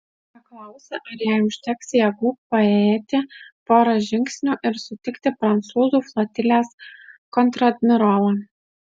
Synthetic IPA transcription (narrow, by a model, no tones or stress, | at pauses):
pɐklˠɑˑʊsʲeʔɐɾjiʊʃʲt̪ʲɛksʲjɛɡʊpɐeːt̪ʲɪpoːɾɐʒʲɪŋʲksʲnʲʊʔɪɾsʊt̪ʲɪkt̪ʲɪpɾɐnt̪suːzuːflˠɐt̪ʲɪlʲeːskɔnt̪ɾɐd̪ʲmʲɪɾoːlɐ